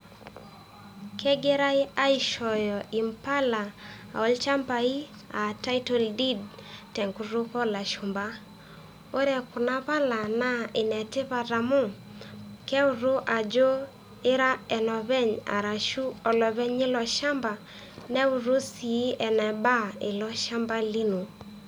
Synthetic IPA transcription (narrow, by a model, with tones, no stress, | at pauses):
kʰɛ˦ɡe˦ɾa˦i˦a˦i˨ʃɔ˨jɔ˨ʔi˨mpa˦la˨a̰˨ɔ˨˦lt͡ʃa˦mba˨i˦ | a˨ta˦jto˦ldi˦dtɛ˨ŋku˨ɾu˦kɔ˦la˨ʃu˨mba˦ | o˦ɾɛ˨kʊ˨na˦βa˦la˨na˦ɪ˨nɛ˨tɪ˦βa˨ɾa˨mʊ˦ | kɛ˦u˨ɾu˦ʔa˨d͡ʒo˦ | ɪ˦ɾa˦ɛ˨nɔ˨βɛ˦ɲa̰˨ɾa˨ʃu˦ɔ˨lɔ˨βɛ˦ɲɪ˦lɔ˨ʃa˦mba˨ | nɛ˦u˨ɾu˦si˨˦ɛ˨nɛ˨ba˦ɪ˨lɔ˦ʃa˦mba˦li˦nu˨